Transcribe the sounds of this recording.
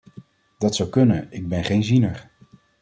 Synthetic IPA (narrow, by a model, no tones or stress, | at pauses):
dɑtsɑwkɵnənɪɡ̚bɛnχejnzinəɹ